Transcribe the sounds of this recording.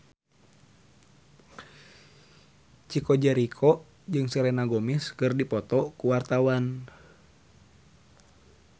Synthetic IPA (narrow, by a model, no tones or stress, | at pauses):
t͡ʃikɔd͡ʒɛɾikʰɔ | d͡ʒɨŋsɛɾɛnaɡɔmiskɨrdipɔt̪ɔkuwart̪awan